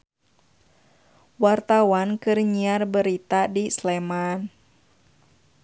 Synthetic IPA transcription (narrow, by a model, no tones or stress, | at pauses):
wart̪awankɨrɲiarbəɾit̪adisleman